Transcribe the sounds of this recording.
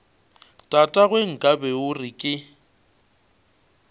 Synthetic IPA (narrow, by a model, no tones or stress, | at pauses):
tʼatʼaɣweŋ̩kʼabɛʊrɪkʼɪ